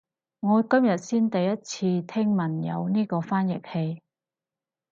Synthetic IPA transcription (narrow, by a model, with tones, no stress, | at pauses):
ŋɔː˨˧kɐ˥mjɐ˨t̚siː˥nt̪ɐ˨jːɐ˥t̚t͡sʰiː˧t̪ʰɪ˥ŋmɐ˨˩njɐ̰˨˧wniː˥kɔː˧faː˥njɪ˨k̚he˧j